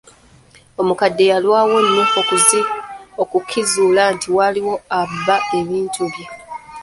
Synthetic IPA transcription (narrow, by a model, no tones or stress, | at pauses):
omukadːe̞jalwaːwo̞nːufo̞kuzio̞kukʰːizuːlantiwaliwo̞abːae̞βiːntʰuβje